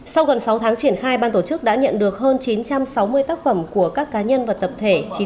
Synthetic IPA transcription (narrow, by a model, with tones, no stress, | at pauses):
sa˧wɣə˨˩nsa˨˦wt̪ʰaː˨˦ŋt͡ɕi˧˩ənxaː˧jɓaː˧nt̪o˧˩t͡ɕɨ˦˥k̚ɗa̰ː˧˥ɲə̰˧˨nɗɨ˨˩ək̚ɦəː˧nt͡ɕi˨˦nt͡ɕa˧msa˨˦wmɨ˧əjt̪aː˦˥k̚fə˧˩mku˧˩əkaː˦˥kːaː˨˦ɲə˧nvaː˨˩t̪ə˨˩p̚t̪ʰe˧˩t͡ɕi˨˦